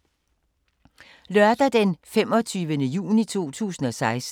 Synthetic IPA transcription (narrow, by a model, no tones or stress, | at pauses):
lɶɐd̥ɐd̥enfem̰ɒt͡sʰyːʋənəjṵːnit͡sʰo̝̰ːt͡sʰṵːsn̩ɒ̽sɑ̈ɪs